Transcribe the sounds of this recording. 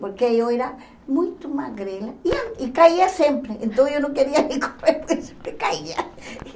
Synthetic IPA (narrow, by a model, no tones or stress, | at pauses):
poɾkejoeɾa | mũjt̪ʊmaɣɾelaiaikaiɐsẽmpɾeẽnt̪õw̃ewnõkeɾiɐnĩŋkomp̪ɾepose̥mpɾekaiɐ